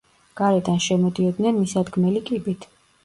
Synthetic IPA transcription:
ɡ̥aɾɛd̪anʃɛmɔd̪iɔd̪nɛnmisad̪ɡmɛlikʼibit̪ʰ

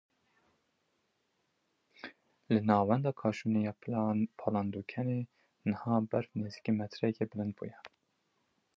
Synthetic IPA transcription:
lɨnɑːwɛnd̪ɑːkʰɑːʃunejɑːpʰɑlɑnd̪uːkʰɛneː | nəhɑːbæɾfneːzi̥kimɛt̪ʰɾɛkebɨlɨnd̪̚bṵjɛ

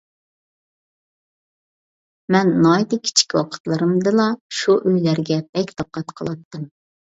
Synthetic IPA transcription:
mɛnːɑjd̪ɨkʲʰi̥t͡ʃʰi̥kʲwɑ̰qʰə̥t̪lˠɨɾɨmd̪ɨlˠɑʃuʔøjlæɾɡʲɛb̥ɛkʲd̪ɑp̚qʰːɑt̪qʰəlˠɑt̪ːɨm

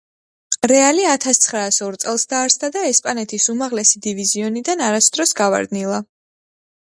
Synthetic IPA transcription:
ɾɛaliat̪ʰast̪sʰχɾaːsɔɾt̪sʼɛlˠsd̪aːɾsd̪ad̪aɛspʼanɛt̪ʰisumaʁlɛsid̪iviziɔnid̪anaɾasd̪ɾɔsɡava̰ɾd̪nilˠa

